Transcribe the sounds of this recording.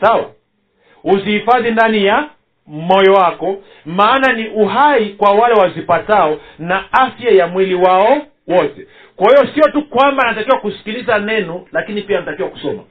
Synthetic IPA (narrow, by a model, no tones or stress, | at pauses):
sawa̰ | uzihifaðindanija | mɔjɔwakɔ | maːnaniʔuɦaikwawalɛwazipataɔnaafjajamwiliwaɔ | wɔtɛ | kwahijɔsiɔtukwambanatakiwakusi̥kilizanɛnɔlakinipianatakiwaku̥sɔma̰